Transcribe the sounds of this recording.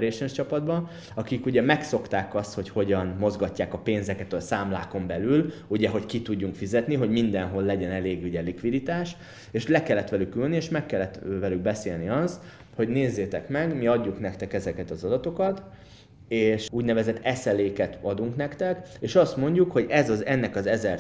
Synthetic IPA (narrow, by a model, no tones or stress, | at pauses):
ɾeːʃɛnt͡ʃɒpɒd̪bɒ | ɒkikuɟɛmɛkso̞kt̪aːkɒst̪ho̞cho̞ɟɒnmo̞zɡɒcːaːkɒpeːnzɛkɛt̪ɒsaːmlaːko̞mbɛlyluɟɛɦo̞ckit̪uɟːuŋkfizɛt̪niɦo̞ɟmind̪ɛnɦo̞lːɛɟɛnɛleːɡuɟɛlikʋid̪it̪aːʃ | eːʃlɛkɛlːɛt̪ʋɛlykːylnieːʃmɛkːɛlːɛt̪vɛlyɡ̚bɛseːlniɒs | ho̞ɟneːzːeːt̪ɛkmɛɡmiɒɟːuknɛkt̪ɛkɛzɛkɛt̪ɒzɒd̪ɒt̪o̞kɒt̪ | eːʃuːɟnɛvɛzɛt̪ːɛsɛleːkɛt̪ɒd̪uŋknɛkt̪ɛkeːʃɒst̪mo̞ɲɟukho̞ɟɛzɒzɛnːɛkɒzɛzɛr